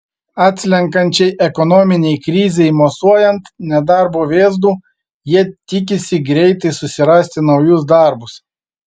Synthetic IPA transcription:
ɑːt̪ʲsʲlʲɛŋkɐnʲt͡ʃʲɛɪʔɛkɔnɔːmʲɪnʲɛɪkɾʲɪːzʲɛɪmosuɔjɛnt̪nʲɛd̪ɑˑɾboːʋʲeːzd̪uː | jiɛt̪ʲɪk̬ʲɪsʲɪɡɾʲɛɪt̪ɐɪsʊsʲɪɾɐsʲt̪ʲɪnɐʊjʊs̬d̪ɑˑɾbʊs

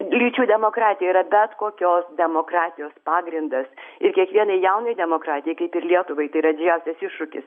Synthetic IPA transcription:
lʲiːt͡ʃʲuːd̪ʲɛmoːkɾɑːt̪ʲɪjɛiːɾɐbʲɛt̪koːkʲoːsd̪ʲɛmoːkɾɑːt̪ʲɪjoːspɑːɡɾʲɪnd̪ɐsɪɾkʲiɛkʋʲiɛnɐɪjɛʊnɐɪd̪ʲɛmoːkɾɑːt̪ʲɪjɛɪkɐɪpɪɾlʲiɛt̪ʊʋɐɪt̪ɐɪɾɐd̪ʲɪd͡ʒʲɛʊsʲɛsɪʃʃʊkʲɪ̰s

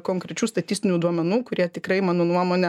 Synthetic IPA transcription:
koːŋkɾʲɛt͡ʃʲuːst̪ɐt̪ʲɪsʲt̪ʲɪnʲuːd̪uɔmʲɛnuːkʊɾʲiɛt̪ʲɪkɾɐɪmɑːnoːnuɔmoːnʲɛ

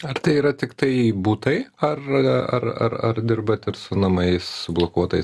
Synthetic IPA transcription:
ɐɾt̪ɐɪiːɾɐt̪ʲɪkt̪ɐɪbuːt̪ɐɪɐrɐ̰rɐ̰rɐ̰rd̪ʲɪrbɐt̪ɪɾsʊnɐmɐɪssʊblˠokuɔt̪ɐɪs

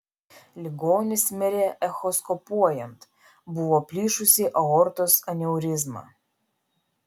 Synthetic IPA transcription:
lʲɪɡoːnʲɪsʲmʲɛɾʲeʔɛxɔskɔpuɔjɛnt̪ | bʊʋoːpʲlʲiːʃʊsʲiʔɐɔɾt̪osɐnʲɛʊɾʲɪzmɑ̰

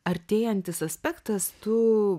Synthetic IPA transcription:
ɐɾʲt̪ʲeːjɛnʲt̪ʲɪsɐsʲpʲɛkt̪ɐst̪ʊ

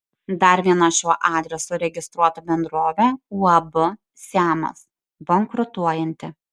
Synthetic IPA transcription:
d̪ɐɾʋʲiɛnɐʃʲoːʔɑːd̪ʲɾʲɛsoɾʲɛɡʲɪst̪ɾuɔt̪ɐbʲɛnd̪ɾoːʋʲɛuːɐbʊ | sʲæːmɐ̰s | boŋkɾʊt̪uɔjɛnʲt̪ʲɪ

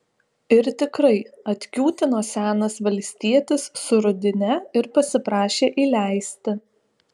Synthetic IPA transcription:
ɪɾt̪ʲɪkɾɐɪɐt̪ʲkʲuːt̪ʲɪnoːsʲæːnɐsʋɐlʲsʲt̪ʲiɛt̪ʲɪsːʊɾʊd̪ʲɪnʲɛɪɾpɐsʲɪpɾɑːʃʲeːʔiːlʲæɪsʲt̪ʲɪ

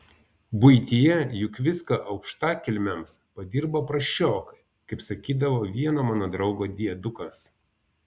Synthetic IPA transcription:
bʊɪt̪ʲijɛjʊkʋʲɪskɐʔɐʊkʃt̪ɑːkʲɪlʲmʲɛmspɐd̪ʲɪɾbopɾɐʃʲt͡ʃʲoːkɐɪ | kɐɪpsɐkʲiːd̪ɐʋoːʋʲiɛnoːmɑːnoːd̪ɾɒʊɡoːd̪ʲiɛd̪ʊkɐs

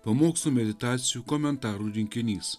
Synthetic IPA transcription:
pɐmoːksuːmʲɛd̪ʲɪt̪ɑːt̪sʲɪjuːkɔmʲɛnt̪ɑːɾuːɾʲɪŋʲkʲɪnʲiːs

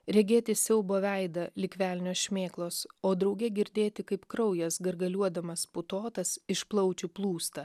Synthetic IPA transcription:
ɾʲɛɡʲeːt̪ʲɪsʲɛʊboːʋʲɛɪd̪ɐlʲɪkʲʋʲæːlʲnʲoːsʃʲmʲeːklˠoːsoːd̪ɾɒʊɡʲɛɡʲɪɾʲd̪ʲeːt̪ʲɪkɐɪpkɾɐʊjɛsɡɐɾɡɐlʲuɔd̪ɐmɐspʊt̪oːt̪ɐsɪʃplˠɒʊt͡ʃʲuplˠuːst̪ɐ

